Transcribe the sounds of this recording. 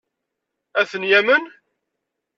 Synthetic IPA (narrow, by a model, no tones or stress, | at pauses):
æθənjæmən